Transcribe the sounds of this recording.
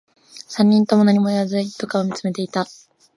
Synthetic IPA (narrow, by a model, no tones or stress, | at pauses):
sãɲ̟ːĩnt̪o̞mo̞naɲ̟imo̞ejazɨit̪o̞kaβomʲit͡sɨme̞t̪e̞it̪a